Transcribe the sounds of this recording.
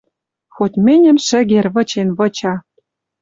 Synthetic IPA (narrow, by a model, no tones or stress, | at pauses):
xot̪ʲmɘnʲɘ̆mʃɘ̆ɣerβɤ̆t͡ɕenβɤ̆t͡ɕɑ